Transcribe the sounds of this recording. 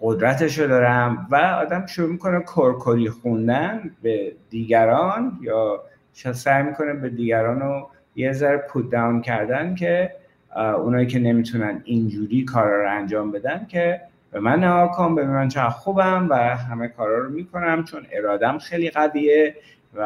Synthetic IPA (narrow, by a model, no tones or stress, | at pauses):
ɢo̞d̪ɾæt̪ʰe̞ʃ̬od̪ɒːɾæmvæɒːd̪æmʃuɾuːmiko̞nekʰoɾkʰoɾiːxund̪ænbed̪iːɡæɾɒːnjɒː | t͡ʃʰesæjmiːkʰo̞nebe̞d̪iːɡæɾɒːno | jezæɾepʰut̪̚d̪æwncʰæɾd̪æncʰe̞ | ṵnɒːjiːcʰe̞ne̞miːt̪ʰunænind͡ʒuːɾiːkʰɒːɾhɒːɾoænd͡ʒɒːmbe̞d̪æncʰe̞ | b̥e̞mænːæɡɒːkʰonbe̞d̪uːnænt͡ʃʰeæxubæmvæɦæmekʰɒːɾɒːɾomiːkʰo̞næmt͡ʃʰo̞ne̞̰ɾɒːd̪æmxejliɣæviːe | væ